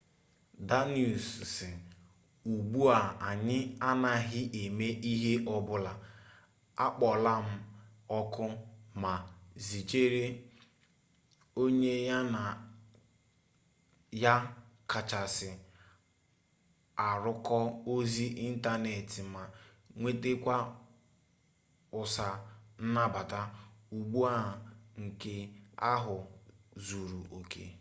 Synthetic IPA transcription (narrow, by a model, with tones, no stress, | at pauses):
da˦ni˦˨u˨ssɪ˨ | u˨ɡ͡bu˦a˨a˨ɲɪ˦a˦na˨ɦɪ˦ʔe˨me˦ʔi˦ɦe˦ʔɔ˦bʊ˦la˨ | a˦k͡pɔ˨la˦m̩˦ | ɔ˦kʊ˦ma˨zi˨d͡ʒe˦ɾe˦ | o˦ɲe˦ja˦na˨ | ja˦ka˨t͡ʃa˨sɪ˨ | a˨ɾʊ˦kɔ˦o˦zi˦ʔi˦n̩˦ta˦ne˨tɪ˨ma˨ | ŋʷe˦te˦kʷa˦ | ʊ˨sa˨n̩˦na˦ba˨ta˦u˨ɡ͡bu˦a˦˨ŋ̩˨ke˦a˦ɦʊ˨zu˨ɾu˨ʔo˨kḛ˦